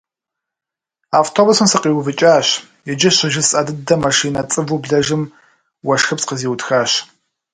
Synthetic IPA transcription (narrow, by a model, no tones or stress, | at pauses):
aːftʰoːbʊsɨmsɨqiːwʊvɨt͡ʃʼaːɕ | jɛd͡ʒɪɕɪʒɪssʼɐdɨdɐmɐʂiːnɐt͡sʼɨvubɮɐʒɨm | wɐʂxɐpsqəziːwtxaːɕ